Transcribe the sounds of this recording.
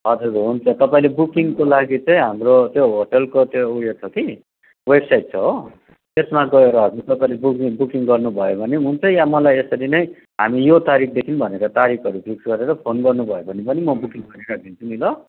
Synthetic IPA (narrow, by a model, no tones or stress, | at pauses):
ʌd͡zuɾkɦunt͡sʰʌt̪ʌpaĩlebukiŋkolaɡit͡sʌĩɦamrot̪joɦoʈʌlkot̪jouɽjot͡sʰʌki | websajʈ̚t͡sʰʌɦo | t̪esmaɡʌeɾʌɦʌd͡zurt̪ʌpaĩlebukibukiŋɡʌrnubʱʌjobʱʌniɦunt͡sʰʌjamʌlajesʌɾinʌj | ɦamijot̪aɾik̚ʰd̪ekʰinbʱʌneɾʌt̪aɾikʰʌɾupʰiksɡʌɾeɾʌpʰonɡʌrnubʱʌjobʱʌnepʌnimʌbukiŋɡʌɾiɾakʰint͡sʰumilʌ